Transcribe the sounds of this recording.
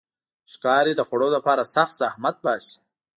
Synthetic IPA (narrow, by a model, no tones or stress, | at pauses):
ʃkɑːɾid̪əxaɽod̪əpaːɾasɐxt̪sahmat̪̚baːsi̥